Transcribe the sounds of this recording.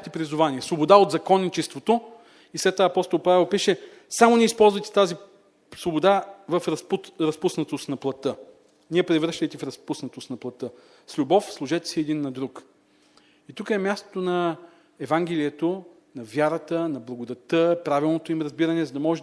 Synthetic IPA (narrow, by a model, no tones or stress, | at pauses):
t̪ɛpɾizʊvaniɛsvobod̪aod̪zɐkɔnːit͡ʃɛst̪vot̪o | islʲɛt̪ːovaɐpɔst̪olˠpavɛlˠpiʃɛ | samoʊniɛispɔlˠzvəjt̪ɛ̥t̪azi | svobod̪avɐfɾɐɾɐspusnət̪ost̪nɐplˠɐt̪ɤ | niɛpɾɛvɾʃt̪əjt̪ɛfɾɐspusnɐt̪osnɐplˠɐt̪ɤ | slʲubɔfslˠʊʒɛt̪ɛ̥siɛd̪inːɐd̪ɾuk | it̪ukəɛmʲjast̪o̥t̪onɐ | ɛvaŋɡʲɛliɛt̪o | nɐvʲjaɾət̪ənɐblˠɐɡod̪ɐt̪əpɾavilˠnot̪oimɾɐzbiɾənɛzɐd̪ɐmɔʒɛ